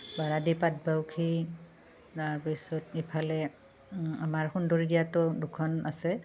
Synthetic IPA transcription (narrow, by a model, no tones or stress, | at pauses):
baɹadipat̚bawkʰi | taɹpisɔt̚ipʰalɛ | amaɹxundoɹiɡijatɔdukʰɔnasɛ